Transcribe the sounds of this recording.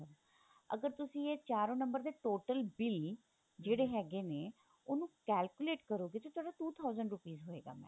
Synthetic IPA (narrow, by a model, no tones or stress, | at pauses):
əb | ə̰ɡəɾt̪ʊsĩːeːt͡ʃaːɾõːnəmbəɾd̪eːʈoːʈəlbɪl | d͡ʒeːɽeːɦɛːɡeːneː | oːnũːkɛːlkʊleːʈkəɾoːɡeːt̪oːt̪ʰʊaːɖaːt̪uːt̪ʰaːʊzəɳɖɾʊpiːzɦoːeːɡa̰ːmɛ̰̃